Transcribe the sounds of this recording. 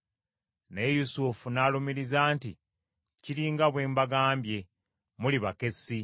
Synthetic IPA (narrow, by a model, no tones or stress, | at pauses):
ne̞jusufunaːlomiɾizaːnti | ciɾiːŋɡaβwe̞ːmbaɡaːmbje̞ | muliβake̞si